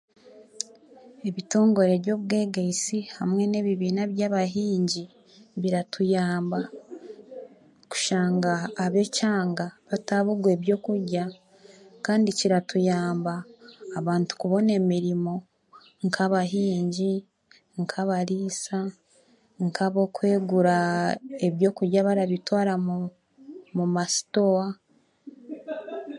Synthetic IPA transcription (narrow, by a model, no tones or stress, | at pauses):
e̞βito̞ːŋɡo̞ɾe̞βɟo̞βɡe̞ːɡeisihamŋe̞ne̞βiβiːnaβjaβaɦiːɲɟi | βiɾatʰujaːmba | ku̥ʃaːŋɡaːβe̞caːŋɡaβataβuɡwe̞βjo̞ːkuɾɟa | kaːndiciɾatujaːmbaːβaːntu̥kuβo̞ne̞miɾimo̞ | ŋkʰaβaɦiːɲɟi | ŋkʰaβaɾiːsa | ŋkʰaβo̞kwe̞ːɡuɾae̞βjo̞ːkuɾɟaβaɾaβitwaːɾam | mumasi̥toa